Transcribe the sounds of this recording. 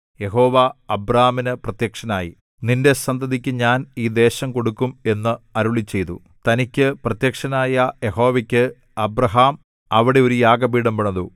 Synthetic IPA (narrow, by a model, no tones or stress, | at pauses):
je̞ɦo̞ːʋɐɐbraːɐminɨprɐt̪jɐkʂɐnaːjḭ | ninde̞sɐnd̪ʱɐðikʲːɨɲaːniːd̪e̞ːɕɐmko̞ɽukːume̞nːɨɐɾuɭit͡ɕːe̞jt̪ṵ | t̪ɐnikʲːɨprɐt̪jɐkʂɐnaːjɐjeho̞ːʋɐkʲːɨ | ɐbrɐɦaːm | ɐʋiɽe̞o̞ɾujaːɡɐbiːɽɐmpeɳɐðu